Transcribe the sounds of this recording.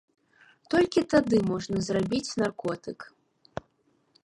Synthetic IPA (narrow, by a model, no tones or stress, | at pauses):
t̪ɔlʲkʲit̪ad̪ɨmɔʐnɐzrabʲit͡sʲnarkɔt̪ɨk